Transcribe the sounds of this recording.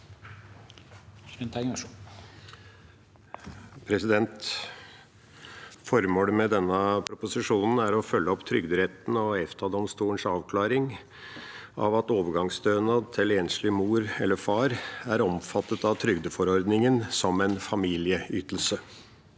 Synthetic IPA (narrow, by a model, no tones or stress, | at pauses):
pʰɾɛsɪd̪ɛnt̪ | fɔɾmoːləmɛd̪ɛnːəpʰɾʊpʊsɪʂuːnn̩æɾɔfœlːəɔpt̪ʰɾʏɡd̪əɾɛt̪n̩ɔɛft̪ʰɑːd̪ɔmst̪uːəɳʂɑːʋkʰlɑːɾɪŋ | ɑ̰ʋɑt̪oːʋəɾɡɑŋsd̪øːnət̪ʰɪleːnʂlɪmuːɾɛlːəfɑːɾæɾɔmfɑt̪ːət̪ɑʋt̪ʰɾʏɡd̪əfɔɾɔɾd̪nɪŋənsɔmɛnfɑmiːlɪəyːt̪l̩sə